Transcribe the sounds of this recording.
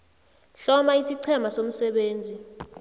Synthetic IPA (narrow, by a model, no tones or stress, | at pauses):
ɬɔmaisiǀʰɛmasom̩sɛɓeːnd͡zʱi